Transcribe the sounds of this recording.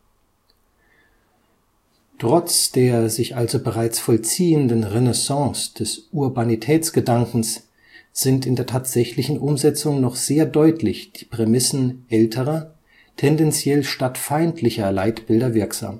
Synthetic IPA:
tʁ̥ɔt͡sd̥eːɐzɪçʔalzobəʁaɪt͡sfɔlt͡siːəndənʁenɛsɑ̃ːsd̥ɛsʔuɐbanitʰɛːt͡sɡ̥ədaŋkŋ̩s | z̥ɪntɪndeːɐtʰaːtz̥ɛçlɪçn̩ʔʊmzɛt͡sʊŋnɔχz̥eːɐdɔʏtʰlɪçd̥iːpʁ̥emɪsn̩ʔɛltʰəʁɐ | tʰɛndɛnt͡sjɛlʃtatfaɪntʰlɪçɐlaɪtb̥ɪldɐvɪɐkz̥a̰ːm

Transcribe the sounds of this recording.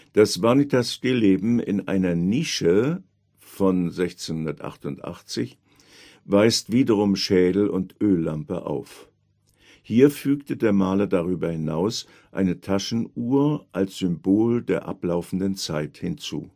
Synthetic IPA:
d̥asvanitʰasɡ̥eleːbm̩ɪ̰nʔa̰ɪnɐniːʃə | fɔnzɛçt͡senhʊndɐtʔa̰χtʊntʔa̰χt͡sɪç | vaɪstv̥iːdɐʁ̞ʊmʃɛːdl̩ʊntʔøːlːampə̰ʔa̰ʊf | hiːɐfyːktədeːɐmaːlɐdaʁ̞yːbɐhɪnaʊs | ʔa̰ɪnətʰaʃn̩uːɐʔalsz̥ʏmboːldeːɐʔa̰plaʊfn̩dənt͡saɪthɪnt͡sṵː

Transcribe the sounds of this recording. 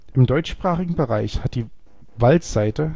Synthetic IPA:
ʔɪmdɔʏt͡ʃʃpʁ̥aːχɪɡŋ̩bəʁaɪçhat̚d̥iː | valtz̥aɪtə

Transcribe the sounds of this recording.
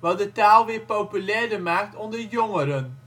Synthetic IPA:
ʋɑdətaːlˠʋɪːɹpowpylɛːɹdəmaːk̚tɔndəɹjɔŋəɾən

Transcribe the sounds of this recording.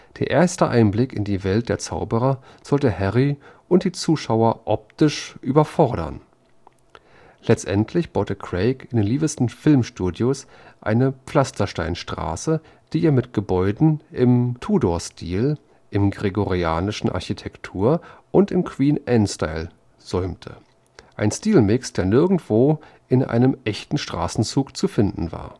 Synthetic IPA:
d̥eːɐʔeːɐstəʔa̰ɪnblɪkɪ̰ndiːvɛlt̚d̥eːɐt͡sa̰ʊbəʁɐ | z̥ɔltəhɛʁiʔʊnt̚d̥iːt͡suːʃaʊɐʔɔp̚tɪʃʔyːbɐfɔɐɾɐ̰n | lɛt͡stʔɛntʰlɪçb̥aʊtəkʁ̥eɪkɪndeːnliːbəstn̩fɪlmʃtuːdjos | ʔa̰ɪnəpp͡fl̥astɐʃtaɪnʃtʁ̥a̰ːsə | d̥iːʔeːɐmɪtɡ̥əbɔʏdn̩ʔɪmtʰuːdoːɐstʰiːl | ʔɪmɡʁeɡoʁiaːnɪʃn̩ʔa̰ɐçitʰɛktʰuːɐʔʊntɪmkʰw̥iːnʔɛnsta̰ɪl | z̥ɔʏmtʰə̰ | ʔa̰ɪnstiːlmɪksd̥eːɐnɪɐɡŋ̩tv̥oː | ʔɪnʔa̰ɪnəmʔɛçtn̩ʃtʁ̥a̰ːsn̩t͡suːkt͡sufɪndn̩va̰ːɐ

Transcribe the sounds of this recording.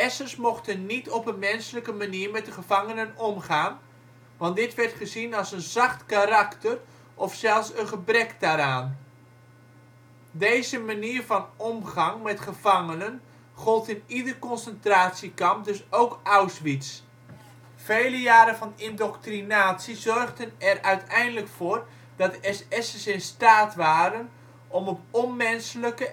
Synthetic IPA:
ɛsərsmɔχtənnitɔpənmɛnsələkəmaniːrmɛt̚dəχəvɑŋənənɔmχaːn | ʋɑntdɪtʋɛrtχəzinɑlˠsənzɑχtkaɾaktər | ʔɔfsɛlˠsənχəbrɛkdaːɾaːn | dejzəmaniːrvɑnɔmχɑŋmɛtχəv̥ɑŋənən | χɔlˠtɪnidərkɔnsəntraːtsikɑmp̚dɵsowkawsʋits | fejləjaːɾəvɑnɪndɔktrinaːtsizɔrχdənɛrœɥtɛjndələkfʊːr | d̥ɑtɛsɛsəsɪnstaːtʋaːɾən | ʔɔmɔpɔnmɛnsləkə

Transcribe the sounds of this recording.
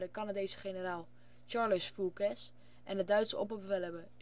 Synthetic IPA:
ɾəkanadejsə̥χenəraːlˠ | t͡ʃaɹləsfukɛs | ʔɛndədœɥtsəɔ̰pəbəfɛlˠɛbə

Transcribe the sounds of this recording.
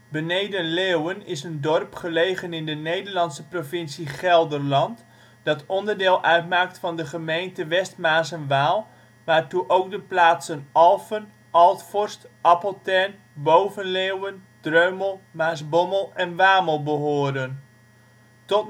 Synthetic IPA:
bənejdənleːwənɪsəndɔrpχəlejχənɪndənejdərlɑnsəprovɪnsiχɛlˠdərlɑnt | d̥ɑtɔndərdɪːlˠʔœɥtmaːk̚tfɑndəχəmejntəʋɛstmaːsənʋaːlˠ | ʋaːɹtuʔowk̚dəplaːtsənɑlˠfən | ʔɑlˠtfɔɹstʔɑpəlˠtɛrn | bowvənleːwənd̥røɥməlˠmaːsbɔməlˠɛnʋaːməlˠbəɦʊːdən | tɔt

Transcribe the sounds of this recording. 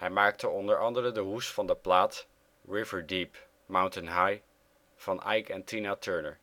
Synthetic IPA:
hɛjmaːk̚tʰəɔndəɹɑndəɾədəɦustfɑndəplaːt | ɹɪvəɹdip | mawntənɦaj | v̥ɑnʔɛjkɛntinatʰøːɹnəɹ

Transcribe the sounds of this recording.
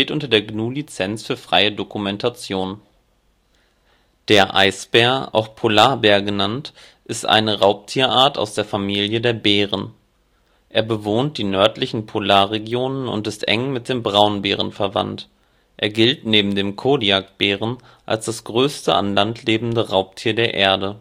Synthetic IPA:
teːtʔʊntɐdeːɐɡnuːlit͡sɛnt͡sfyːɐfʁ̥a̰ɪədokumɛntʰat͡sjoːn | d̥eːɐʔa̰ɪsb̥ɛːɐʔa̰ʊxpʰolaːɐbɛːɐɡənant | ʔɪstʔa̰ɪnəʁaʊp̚tʰiːɐʔaːɐta̰ʊsd̥eːɐfamiːljədeːɐbeːʁ̞ən | ʔeːɐbəvoːntd̥iːnœɐtlɪçn̩pʰolaːɐʁeɡjoːnənʊ̰ntɪstʔɛ̰ŋmɪt̚d̥eːmbʁaʊnbeːʁ̞ənfɛɐva̰nt | ʔeːɐɡɪltneːbm̩deːmkʰoːdiakb̥eːʁ̞ən | ʔa̰lsd̥asɡ̥ʁøːstə̰ʔa̰nlantʰleːbm̩dəʁaʊp̚tʰiːɐdeːɐʔeːɐdə

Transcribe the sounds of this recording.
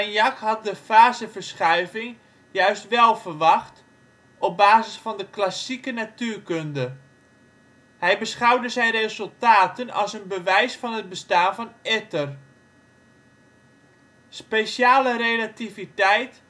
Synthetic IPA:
anjɑkhɑt̚dəfaːzəfərsχœɥvɪŋ | jœɥstʋɛlˠfərʋɑχt | ɔp̚baːzɪsfɑndəklasikənatyːrkøndə | hɛjbəsχɑwdəzɛjnrezɵlˠtaːtənɑ̰sənbəʋɛjsfɑnɦəd̚bəstaːnvɑnɪtər | spejʃjaːlərejlativitɛjt

